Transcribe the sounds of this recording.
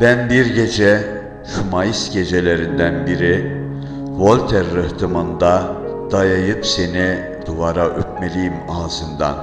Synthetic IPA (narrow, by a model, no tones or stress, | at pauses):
bænbiɾɟed͡ʒɛ | ʃumajisɟed͡ʒelʲeɾind̪ænbiɾi | vo̞lʲt̪ʰɛɾːɯht̪ʰɯmɯnd̪a | d̪̥ajajɯpseni | d̪̥uvaɾaʔøt̚melʲijimɑzɯnd̪a̰n